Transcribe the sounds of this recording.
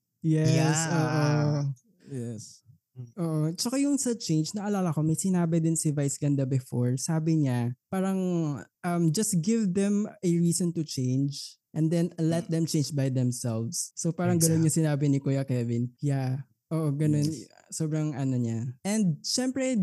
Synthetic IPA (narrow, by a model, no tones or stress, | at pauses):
jɛsoːʔo | jɛs | ʔoːʔot͡ʃɐkajʊŋsɐt͡ʃẽjnd͡ʒnɐʔɐlaːlɐko̞mɐjsɪnaːbɪd̪ɪnsɪvajsɡɐnd̪ɐbɪfoɹsaːbɪɲapaːɾɐŋʔɐmd͡ʒɐst̪ɡɪvd̪ɛ̃mɛɹiːsɔnt̪ʊt͡ʃẽjnd͡ʒʔɛ̃nd̪ɛnlɛt̪̚d̪ɛmt͡ʃej̃nd͡ʒbajd̪ɛmsɛlvsːopaːɾɐŋɡɐnonɲɐsɪnaːbɪnɪkujɐkɛvɪnja | ʔoːʔoɡɐnon | soːbɾɐŋʔɐnoɲaʔɛ̃nd̪̚ʃɛmpɾɛ